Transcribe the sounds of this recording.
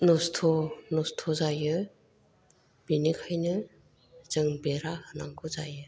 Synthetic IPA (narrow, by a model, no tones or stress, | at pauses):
nɔstʰɔnɔstʰɔzajɯ | b̥inikʰajnɯ | z̥ɯŋbeɾahɯnaŋkʰɯzajɯ